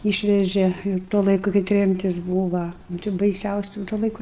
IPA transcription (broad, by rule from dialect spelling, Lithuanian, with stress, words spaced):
ˈiːʃʲʋʲɛʒʲeː ɪr ˈtuɔ ˈlˠɐɪkʊ kɐɪ ˈtʲrʲɛmʲtʲɪs ˈbuːʋɐ nʊ ˈt͡ʃʲɛ bɐɪˈsʲɛʊsʲʊ tuɔ lˠɐɪˈkʊ